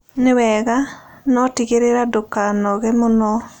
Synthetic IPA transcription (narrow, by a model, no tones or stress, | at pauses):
newɛɣanɔtiɣeɾeɾadokanɔɣɛmonɔ